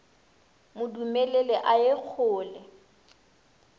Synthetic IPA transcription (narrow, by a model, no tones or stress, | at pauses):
mʊdumɛlɛlɛʔaek͡xʰʊːlɛ